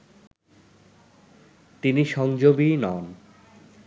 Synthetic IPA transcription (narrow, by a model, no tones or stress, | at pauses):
t̪iniʃɔŋd͡ʑobinɔn